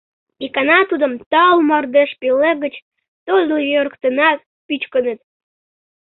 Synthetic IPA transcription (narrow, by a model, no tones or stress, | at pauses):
ikɑnɑt̪ud̪əmt̪ɑlmɑrd̪eʃpeleɣət͡ɕ | t̪olʲljøɾkt̪ənɑ | pyt͡ɕkənə̆t̪̚